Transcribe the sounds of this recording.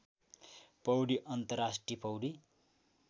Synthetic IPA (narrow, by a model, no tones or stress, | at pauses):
pʌwɽiʔʌnt̪ʌɾasʈripʌwɖi